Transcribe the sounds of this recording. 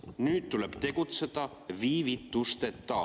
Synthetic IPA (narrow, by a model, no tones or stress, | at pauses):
nyːt̪t̪uleb̥t̪e̞ɡut̪se̞d̪̥ɑ | viːvit̪ːˑust̪et̪ːɑː